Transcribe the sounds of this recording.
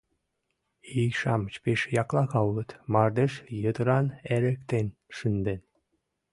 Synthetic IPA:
ijʃɑmət͡ɕpeʃjɑklɑɣɑlət̪mɑrd̪eʃjəd̪əɾɑneɾəkt̪enʃynd̪en

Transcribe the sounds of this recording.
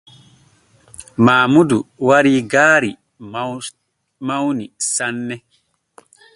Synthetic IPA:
maːmuduwaɾiːɡaːɾi | mawnisanːɛ

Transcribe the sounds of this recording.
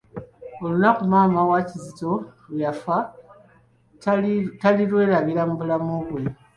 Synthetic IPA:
o̞lunakumaːmawacizito̞ljafa | talilwe̞ːɾaβilamubulamoβwe̞

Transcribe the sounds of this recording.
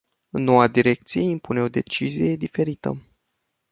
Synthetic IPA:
ɨnːo̞wad̪iɾe̞k̚t̪sije̞impune̞o̞d̪e̞t͡ʃizije̞d̪ife̞ɾit̪ə̰

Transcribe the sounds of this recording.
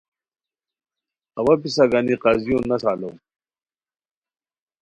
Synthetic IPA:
ɐwapisaɡaniqazijonasaːlowm

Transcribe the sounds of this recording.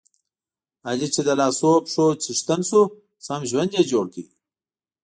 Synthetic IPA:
ad͡ʑit͡ʃed̪ɐlaːsopʂot͡ʃʰiʂt̪ɐnsu | sɐmʒwɐnd̪jed͡ʒoːɽkiɡi

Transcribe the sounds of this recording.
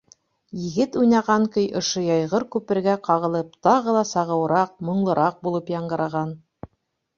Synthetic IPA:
jɘ̆ɡɘt̪ujnɑʁɑŋkɵjʔŏʃɤjɑjʁɤɾkʉpɘ̆ɾɡæqɑʁɤ̆lˠɤp̚t̪ɑʁɤlˠɑsɑʁɤ̆wɾɑq̚mŏɴlˠɤ̆ɾʔɑq̚bulˠɤpjɑɴɢɤ̆ɾɑʁɑn

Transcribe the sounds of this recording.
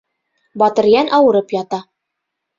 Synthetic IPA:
bɒt̪ɤ̆ɾjænʔɑwɤ̆ɾɤpjɒt̪ɑ

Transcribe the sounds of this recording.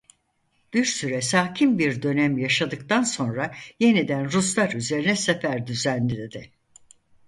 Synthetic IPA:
b̥iɾsyɾɛsaːcʰimbiɾd̪ø̞nɛmjaʃad̪ɯkt̪anso̞nɾaje̞nid̪ænɾus̬lˠaɾyze̞ɾinɛsefæɾd̪yzænliled̪ɪ

